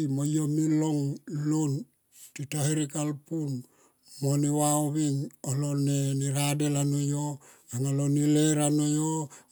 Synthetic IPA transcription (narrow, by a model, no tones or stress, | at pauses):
mojomiloŋlon | titahiɾikalpun | moniwaoβiŋoloneniɾadelanojo | aŋalonileɾanojo